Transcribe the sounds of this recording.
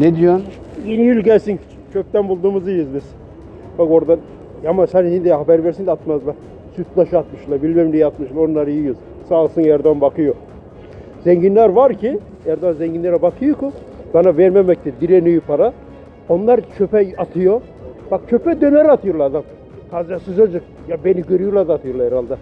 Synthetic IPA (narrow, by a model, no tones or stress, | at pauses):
ned̪ijonjinjylʲɟælʲsin | t͡ʃʰøp̚t̪ænbulˠd̪uːmuzɯjɯzbiz̥ | bako̞ɾd̪an | jamasɛnhind̪ihabæɾvɛɾsind̪ɛat̪mazlˠa | syt̪̚lˠaʃat̪mɯʃlˠabilʲmɛmnʲijɛat̪mɯʃlˠaonlˠaɾɯjɯjuz | saːlˠsɯnjæɾd̪anbakʰɯjo | zɛɲɟinlʲæɾvaɾcʰi | ɛɾd̪oanzɛɲɟinlʲeɾɛbakʰɯjokʰu | banavɛɾmemɛc̚t̪ɛd̪iɾenyjypʰaɾa | onlˠaɾt͡ʃʰøpɛjat̪ʰɯjo | b̥ak̚t͡ʃʰøpɛd̪ønɛɾat̪ʰɯjoɾlˠaːd̪am | kʰazd̪asɯzad͡ʒɯk | jabeniɟøɾyjolˠad̪at̪ʰɯjoɾlˠahɛɾalˠd̪a